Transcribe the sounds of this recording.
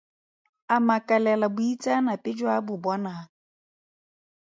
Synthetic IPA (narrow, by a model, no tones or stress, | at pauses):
amakalɛlabʊitanapɪd͡ʒɔabʊbɔna